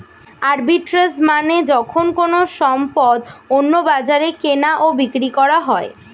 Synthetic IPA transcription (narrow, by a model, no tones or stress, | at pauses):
aɾbiʈɾasmaned͡ʑɔkʰonkonoʃɔmpɔd̪onːobad͡ʑaɾekenaʔobikɾikɔɾaɦɔe